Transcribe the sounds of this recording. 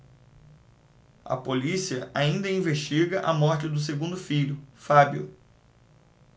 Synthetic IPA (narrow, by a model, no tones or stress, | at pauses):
ɐ̰polisiɐʔaĩnd̪ɐĩveʃt͡ʃiɡɐʔɐmɔɾt͡ʃɪd̪ʊs̬eɡũnd̪ʊfiʎʊfabjʊ̰